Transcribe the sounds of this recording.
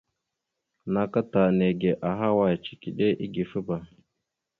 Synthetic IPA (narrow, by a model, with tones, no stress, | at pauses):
na˨ka˦ta˨ne˨ɡe˨ʔa˨ɦa˦wa˨jt͡ʃi̥˨ki˨ɗe˦ʔi˦ɡi˨fə˦ba˨